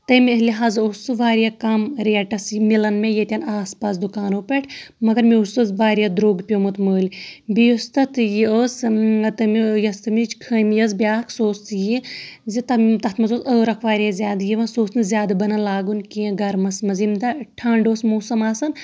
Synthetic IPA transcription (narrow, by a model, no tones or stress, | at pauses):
t̪ɐmʲəliɦaːzosɨʋaːɾʲjaːkɐmɾiɐʈɐsimilɐnmẽjet̪ʲɐnaːspaːsd̪ukaːnoːpeʈʰmɐɡɐɾmiusozʋaːɾjaːd̪ɾoːɡpʲomut̪məːlʲbijost̪ɐt̪ʰjioːst̪ɐmijɐst̪ɐmit͡ʃkʰəmjɐzbʲjaːkʰsoːst̪jizit̪ɐmt̪ɐt̪ʰmɐzoːsəːɾɐkʰʋaːɾijaːzʲjaːd̪jiʋɐnsoːsnɨzʲjaːd̪bɐnɐlaːɡunkiẽɡɐɾmɐsmɐzimd̪ɐʈʰɐːɳɖoːsmoːsɐmaːsɐn